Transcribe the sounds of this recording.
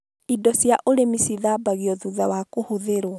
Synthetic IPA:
idɔsjaʔoɾemisiðaːbaɣiɔðuðawakohoðeɾwɔ

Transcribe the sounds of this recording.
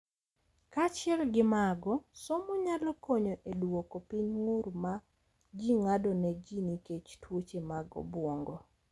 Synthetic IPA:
kat͡ʃɪɛlɡɪmaɡɔsɔmɔɲalɔkoɲɔʔedwokopiɲŋʊɾma | d͡ʒiŋadɔnɛd͡ʒiniket͡ʃtwot͡ʃemaɡɔ̰bwoŋɡɔ

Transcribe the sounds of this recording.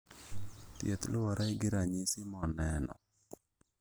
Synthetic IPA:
tjɛt̪lʊwaɾʔaiɡɪɾaɲisimɔnɛnɔ̰

